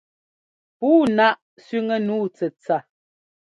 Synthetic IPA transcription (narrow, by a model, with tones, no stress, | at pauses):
puː˦na˦ʔ | sɥi˦ŋə˦nuː˦t͡sə˨t͡sa˨